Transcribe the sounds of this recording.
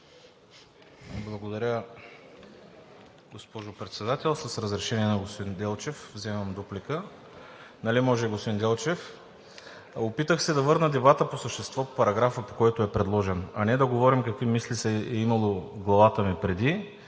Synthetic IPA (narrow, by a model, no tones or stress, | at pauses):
blˠɐɡod̪ɐɾʲə | ɡospɔʒʊpɾɛt̪sɛd̪at̪ɛlˠsəsɾəzɾɛʃɛniɛnɐɡospod̪ind̪ɛlˠt͡ʃɛfvzɛməmd̪oplikə | nɐlimɔʒɛiɡospod̪ind̪ɛlˠt͡ʃɛf | opit̪əxsɛd̪ɐvɤɾnəd̪ɛbat̪əposəʃt̪ɛst̪vɔpɐɾɐɡɾafəpo̥kɔjɛt̪oɛpɾɛd̪lˠɔʒɛnɐnɛd̪ɐɡovɔɾimkɐkvimislisɛɛimɐlˠoɡlˠɐvat̪əmipɾɛd̪i